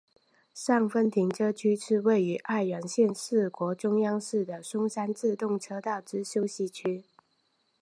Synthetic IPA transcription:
ʂɑ˥˩ŋfə˥nt̪ʰi˧˥ŋʈ͡ʂɤ˥t͡ɕʰy˥ʂɻ̩˥˧we˥˩ɪy˧˥ʔa˥˩ɪɥə˧˥nɕjɛ˥˧nʂɻ̩˥˩kwɔ˧˥ʈ͡ʂʊ˥ŋjɑ˥ŋʂɻ̩˥˩d̪ə˩ʂʊ˥ŋsa˥nt͡sɹ̩˥˧t̪ʊ˥˩ŋʈ͡ʂʰɤ˥t̪ɑ˥˩ʊʈ͡ʂɻ̩˥ɕjo˥ʊɕi˥˩t͡ɕʰy˥

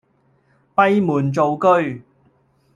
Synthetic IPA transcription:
pɐ˥jmuː˨˩nt͡so˨wkɵ˥ɥ

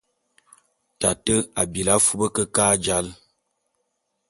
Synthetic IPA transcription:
ta˨tə˦a˨bi˨la˦fu˦bə˦kə˦kaː˦d͡ʒa˦l

